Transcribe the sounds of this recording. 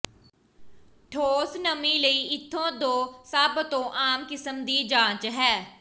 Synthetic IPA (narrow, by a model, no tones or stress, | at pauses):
ʈʰoːsnəmiːləiːɪt̪ʰːõːd̪õːsəbt̪õːʔaːmkɪsəmd̪iːd͡ʒãːt͡ʃɦɛː